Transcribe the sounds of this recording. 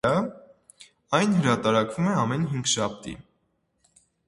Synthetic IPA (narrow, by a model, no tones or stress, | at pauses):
ɑ | ɑjnɦəɾɑt̪ɑɾɑkvumɛɑmɛnɦiŋɡʃɑp̚ʰt̪ḭ